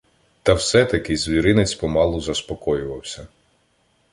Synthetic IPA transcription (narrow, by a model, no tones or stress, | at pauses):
t̪ɐwsɛt̪ɐkɪzʲʋʲiɾɪnet͡sʲpɔmɑlˠʊzɐspɔkɔjʊʋɐwsʲɐ